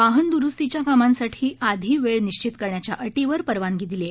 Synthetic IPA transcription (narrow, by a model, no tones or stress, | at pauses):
ʋaɦənd̪uɾust̪it͡ɕjakamãnsaʈʰiːʔad̪ʱiːʋeɭniɕt͡ɕit̪kəɾɳjat͡ɕjaʔəʈiʋəɾpəɾʋaŋɡiːd̪ile